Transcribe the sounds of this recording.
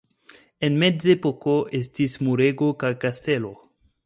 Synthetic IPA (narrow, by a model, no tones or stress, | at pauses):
e̞nme̞zepo̞ko̞ʔe̞stismuɾe̞ɡo̞kajkaste̞lo̞